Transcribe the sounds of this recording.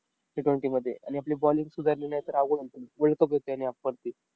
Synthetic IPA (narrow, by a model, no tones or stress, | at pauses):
iʈʋeɳʈiːməd̪ʱːjeʔa̰ɽ̃iapliːbɔliŋɡsud͡zaɾniɽajt̪əɾaɡoolt̪unʋəɭkəpɦot̪eaɽ̃iapːəɾt̪iː